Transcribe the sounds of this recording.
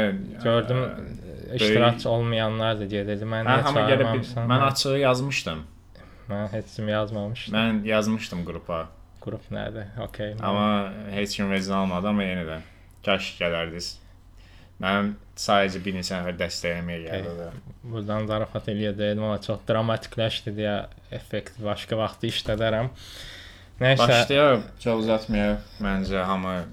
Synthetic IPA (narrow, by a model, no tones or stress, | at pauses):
ɟ̥øɾd̪ym | iʃt̪iɾact͡ʃʰo̞lˠmɯjɑnlˠɑɾd̪ɯd̪ijɛd̪ed̪imænæɦamaaelɛmamsanænɑt͡ʃʰɯɣɯjazmɯʃt̪ɯm | mænɦet͡ʃsimijɑzmɑmɯʃmænjɑzmɯʃt̪ʰɯmɡuɾupʰa | ɡ̥uɾupʰnɛ̰d̪ɪo̞̰cʰejɑ̰mɑhet͡ʃɟymved̪izalˠmad̪ɯamajenid̪æn | t͡ʃʰaɾʃɟɛlæɾd̪iz̥ | bæn | saːd̪ed͡ʒɛbiɾnisɛnɛfæɾd̪ɛst̪ɛjlɛmɛjɛɟɛlod̪abuɾd̪ɑnzɑɾfat̪ʰelijed̪ejd̪imamat͡ʃʰo̞xd̪ɾamat̪ʰi̥cʰlʲæʃt̪id̪ijɛ | ɛfːekt̪ʰivbɑʃkʰavɑχt̪ʰɯiʃlæd̪æɾæm | nebaʃt̪ajat͡ʃʰokuzat̪ʰmajabænd͡ʒɛɦamɯ